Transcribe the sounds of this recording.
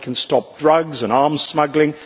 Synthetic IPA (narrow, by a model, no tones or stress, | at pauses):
kʰə̃n̩stɒp̚dɹʌɡzə̃nɑɹmz̥smʌɡlɪ̃ŋ